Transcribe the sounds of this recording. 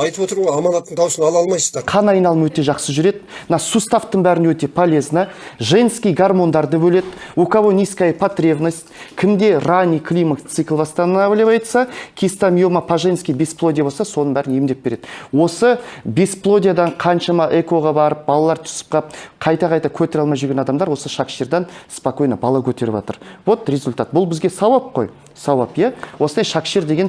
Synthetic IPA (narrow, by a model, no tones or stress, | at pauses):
ɑjt̪əpwo̞t̪əɾʁojɑmɑnɑt̪ːəɴt̪ʰɑwsənɑlˠɑlˠmɑjsəzd̪ɑɾqʰɑnɑjnɑlˠəmwɵt̪e̞ʒɑqsəʒʏɾe̞d̪ɪmənɑsust̪aft̪əɴbæɾɪnwɵt̪e̞pʰolʲe̞znəʒenskʲijɡarmo̞nd̪ɑɾd̪əbɵle̞d̪ɪokavo̞nʲijskɑjpʰat̪rʲevnasʲt̪kʲʰɪmd̪e̞ranʲikʰlʲimakt̪sɨklˠbɑst̪ɑnənɑbɪlebɑjt̪sɑkʲʰist̪amjomɑpʰaʒenskʲijbʲesplˠo̞d̪ʲijabosɑso̞nəɴbæɾɪnjemd̪e̞p̚beɾe̞d̪̥ɪwo̞səbisplˠo̞d̪ʲijad̪ɑɴqʰɑnʃɑmɑʔe̞ko̞ʁɑbɑɾəp̚bɑlˠɑlˠɑɾt̪ʰʏ̥sɪ̥p̚qʰɑp̚qʰɑjt̪ɑqʰɑjt̪ɑkʲʰɵt̪e̞ɾɑlˠmɑjʒʏɾɡʲenɑd̪ɑmd̪ɑɾwo̞səʃɑkʃiɾd̪ɑnspako̞jnɑbɑlˠɑkʲʰɵt̪e̞ɾɪpɑ̰t̪ə̰ɾwo̞t̪ɾʲe̞zʊlʲt̪at̪̚bʊlˠbɪzɡʲe̞sɑwɑp̚qʰo̞̰j | sɑwɑpjæwo̞sənd̪ɑjʃɑkʃiɾd̪e̞ɡe̞n